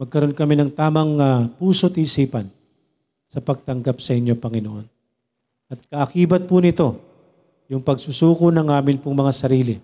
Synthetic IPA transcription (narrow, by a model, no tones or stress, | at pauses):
mɐɡ̚kɐɾo̞nkɐminɐŋt̪aːmɐŋɐpuːso̞t̪iːsiːpɐn | sɐpɐɡ̚t̪ɐŋɡapsɐʔɪnjo̞pɐŋɪnoʔo̞n | ʔɐt̪̚kɐʔɐkiːbɐt̪̚punɪt̪o̞ | jʊŋpɐɡsusuːkonɐŋʔaːmɪnpʊŋmɐŋasɐɾiːlɪ